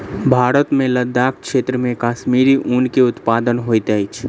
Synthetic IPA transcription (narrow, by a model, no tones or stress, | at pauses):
bʱaːɾət̪mẽləd̪aːk̚ʰkʃeːt̪ɾəmẽkaːʃmiːɾiʔunkeʊt̪paːd̪ənɦoːit̪əit͡ʃʰ